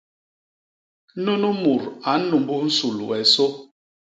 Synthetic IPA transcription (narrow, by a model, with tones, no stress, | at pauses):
nu˦nu˦mu˨ɾa˨˦nu˨mbu˦n̩˦su˨lṵ˨ɛ˨so˦